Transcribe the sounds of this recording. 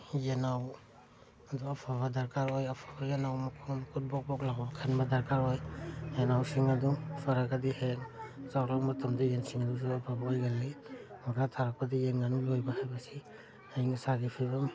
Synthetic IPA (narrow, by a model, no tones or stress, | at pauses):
jenaw | aduapʰaβadaɾkaɾɔjapʰabajenawmakʰumakʰut̚bɔk̚bɔk̚laɡɔbakʰanbadaɾkaɾɔjjenawsiŋadupʰaɾaɡadiheŋzawlamatɔmdijensiŋadusɔapʰabaɔjɡalajmɔɾatʰaɾak̚padijeŋːanulɔjbahajbasi | ajŋsaɡipʰiβam